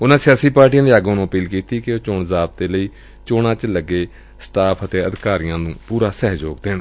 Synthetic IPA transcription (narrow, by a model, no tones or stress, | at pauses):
ʊnãːsɪjaːsiːpaːɾʈijãːd̪eːaɡonõːəpiːlkiːt̪iːkɪoːt͡ʃoːɳzaːb̚d̪eːləiː | t͡ʃoːɽãːt͡ʃləɡeː | sʈaːpʰət̪eːəd̪kaːɾɪjãːnũːpuːɾaːsɛːɦd͡ʒoːɡd̪eːɳ